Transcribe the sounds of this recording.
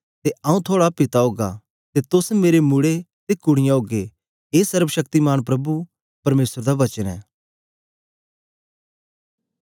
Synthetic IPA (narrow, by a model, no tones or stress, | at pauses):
t̪eɐ̃ːũt̪ʰoːɽapɪt̪aɦoːɡa̰ | t̪et̪ʊsmeːɾemʊɽet̪ekʊɽ̃ɪjãoːɡe | eːsɐɾbəʃɐk̚t̪imaːɽ̃pɾɐbu | pɐɾmeːsəɾd̪aʋɐt͡ʃənɛ̰ː